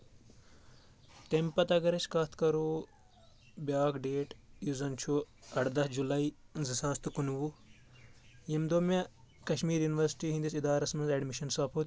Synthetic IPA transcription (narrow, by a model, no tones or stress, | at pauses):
t̪empɐt̪ɐɡɐɾɐt͡ʃʰkɐt̪ʰkɐɾoː | bʲaːkɖeːʈjuzɐnt͡ʃʰu | ɐʈd̪ɐsd͡ʒulɐizisaːst̪ukunʋu | jimd̪ome | kɐʃmiːɾjuniʋɐɾsi̥ʈiɦĩnd̪isid̪aːɾɐsmɐnzɐɖmiʃɐnsaːpʰot̪